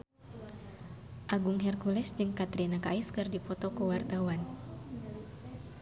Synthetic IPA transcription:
ʔaɡuŋɦɛrkulɛsd͡ʒɨŋkat̪ɾinakaifkɨrdipɔt̪ɔkəwart̪awan

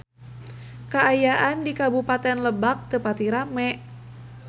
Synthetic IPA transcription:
kaːjaʔandikabupat̪ɛnləbak̚t̪əpat̪iɾamɛʔ

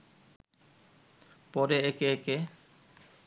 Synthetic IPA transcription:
pɔɾeekeeke

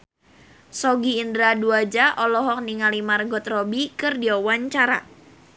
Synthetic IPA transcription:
sɔɡiːndɾaduad͡ʒaʔɔlɔɦɔk̚niŋalimarɡɔt̪rɔbikɨrdiawaɲt͡ʃaɾa̰

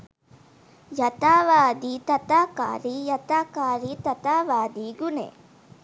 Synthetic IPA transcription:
jɐt̪aːʋaːd̪it̪ɐt̪aːka̰ːɾijɐt̪aːkaːɾit̪ɐt̪aːʋaːd̪iɡunḛː

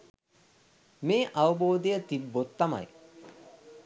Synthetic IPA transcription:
meːʔaʋəboːd̪ejət̪ibːot̪ːama̰j

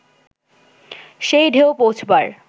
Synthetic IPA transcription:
ʃejɖʱeopowt͡ɕʰbaɾ

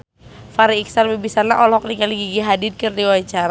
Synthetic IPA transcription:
faɾiːksalbibisanaʔɔlhɔk̚nikaliɡiɡiɦadid̚kərdiwat͡ʃaɾa

